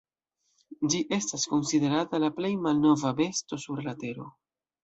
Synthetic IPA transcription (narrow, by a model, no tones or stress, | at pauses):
d͡ʒiʔe̞stasko̞nside̞ɾatalaple̞jmalno̞vabe̞sto̞suɾlate̞ɾo̞̰